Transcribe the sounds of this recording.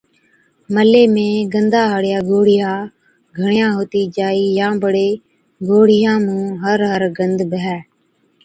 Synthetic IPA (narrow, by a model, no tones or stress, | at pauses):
məleːmẽːɡənd̪aːɦəɽɪjaːɡoːɽ̤ɪjãː | ɡʱəɳjãːɦoːt̪iːd͡ʒaːiːjãːbəɽeː | ɡoːɽ̤ɪjãːmũːɦəɾɦəɾɡənd̪bəɦɛː